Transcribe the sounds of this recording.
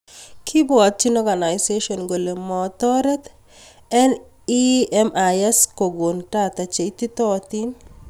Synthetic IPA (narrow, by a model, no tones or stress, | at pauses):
kʰibwɔt̪̚t͡ʃinɔɡanaɪseʃɔnɡolemɔt̪ɔɾɛt̪ | ɛn | iɛmʔajɛskoɡontat̪at͡ʃeit̪it̪ɔt̪in